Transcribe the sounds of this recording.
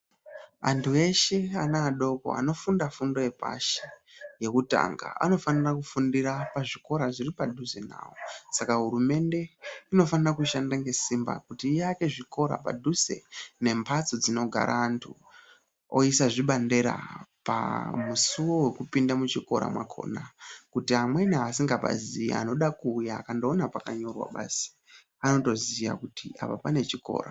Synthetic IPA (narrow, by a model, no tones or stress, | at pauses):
a̰ntue̞ʃeanaːɗo̞ko̞̰a̰no̞fundafundo̞je̞pa̰ʃije̞kuta̰ŋɡa̰a̰no̞fanirakufundiɾapaʐiko̞ɾaʐiripadʱuze̞na̰ːwosakaɦuɾume̞nde̞ino̞fanirakuʃandaŋɡe̞simba̰kutiːjake̞ʐiko̞ɾa̰pa̰dʱuze̞̰ne̞mpʰat͡sod͡zino̞ɡʱa̰ɾʔaːntʰu | o̞isaʐiɓande̞ɾa̰pa̰musuwo̞we̞kupindamut͡ʃiko̞̰ɾa̰mwakʰo̞̰ːnakutiamwe̞nas̬iŋɡapa̰ziḭa̰no̞ɗakuːjaːkando̞ːnapakaɲo̞rwa̰ɓa̰ːsi̥ | ano̞to̞zija̰kutia̰papane̞t͡ʃiko̞̰ːɾa